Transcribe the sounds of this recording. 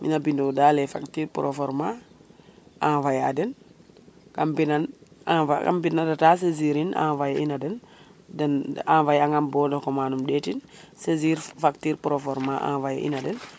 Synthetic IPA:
mḭnabindodaːlefaktiɾpuɾʔofoɾma | avajadɛn | kambinanaaka̰mbinadatas̬eziɾinʔa̰vajinadɛndɛnavajaŋɡamboːdokomaːnumɗetinseziːɾfaktiːɾpuɾofoɾmaʔa̰vaj̰ʔḭnadɛn

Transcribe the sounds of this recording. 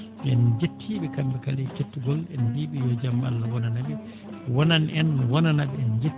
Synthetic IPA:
ɛnd͡ʒetʰːiɓɛkambɛkalɛt͡ʃetːuɡɔlɛnbiːɓɛjɔd͡ʒamalːawɔnanabɛ | wɔnanɛnwɔnanaɓɛɛnd͡ʒe

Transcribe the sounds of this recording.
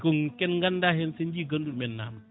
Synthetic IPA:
kʊŋkɛnɡandaɦensind͡ʒiɡəndumiənːaːm

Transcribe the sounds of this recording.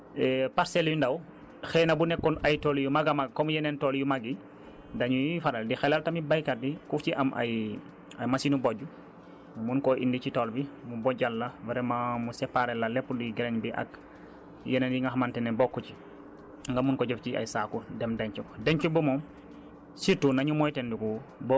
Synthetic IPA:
ɛpaɾsɛljundɐw | xɛːnɐbunɛkːɔnɐjtɔːljumɐɡɐmaɡkɔmujɛnɛntɔːljumaɡi | dɐɲujifaɾɐldixɛlaltɐmibajkadikuft͡ʃiʔɐmʔɐ̰j | ɐjmasinubɔɟu | munkɔʔindicitɔːlbimubɔɟalːabɐɾɛmamusɛpːaɾɛlalɛpːuduɡɛɾɛɲbiʔɐ̰k | jɛnɛnjiŋɡaxmantɛnɛbɔkːɔt͡ʃi | ŋɡamunkɔɟɛfcia̰jsaːkudɛmdɛɲt͡ʃukdɛɲt͡ʃubumɔm | situnaɲumɔjtɛndukubɔ

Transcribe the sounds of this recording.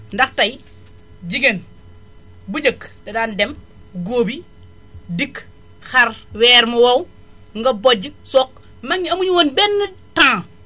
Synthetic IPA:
ndɐxtɐj | d͡ʒiɡen | buɟəkdɐdaːndɛm | ɡoːbi | dik | xɐrwɛːɾmɐwɐw | ŋɡɐbɔɟːəsɔk̚ | mɐɲɐmuɲuwoːnbɛnːətãː

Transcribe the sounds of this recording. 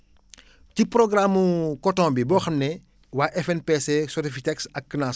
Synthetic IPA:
ciprɔɡramːukɔtɔ̃mbibɔxɐmnɛ | waːʔɛfɛnpesesɔtifitɛksɐkːnas

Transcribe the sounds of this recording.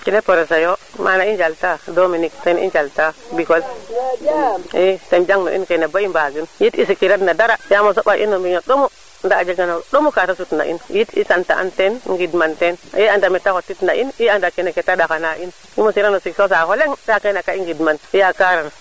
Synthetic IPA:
kinepoɾesajomanaind͡ʒaltadominiktenḭnd͡ʒaltabikol | itend͡ʒaŋno̰ʔḭnkeneboimbaɡinjitisikiɾatnadaɾajamas̬oɓaʔinːombiɲoɗomu | ndaːd͡ʒeɡanoɗomukatas̬utna̰ʔḭnjitḭsanta̰ʔa̰ntenŋɡidmanteneandamitakotitnaʔiniandakeneketadakanaʔin | imosiɾanosiksos̬aholeŋdakanakaiŋɡidmanijakaɾana

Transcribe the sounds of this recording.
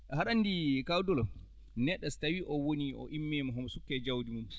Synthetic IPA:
haɗanːdikawdɔlɔ | nɛɗːastawiʔɔwoniɔ̰ʔimːɛmɔɦɔmsukːɛd͡ʒawdimum

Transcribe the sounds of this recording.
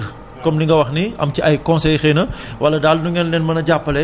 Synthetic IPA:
kɔmniŋɡɐwɐxniɐ̰mciʔɐjkɔ̃nsɛjxenɐwɐlːɐdaːlnuŋɡɛnlɛnmɐnɐɟapːɐlɛ

